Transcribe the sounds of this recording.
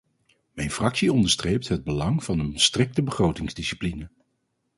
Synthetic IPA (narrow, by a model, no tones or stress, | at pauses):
mɛjnfrɑksiɔndəɹstrejp̚tɦəd̚bəlɑŋv̥ɑnənstrɪk̚təbəχrowtɪŋzdisi̥plinə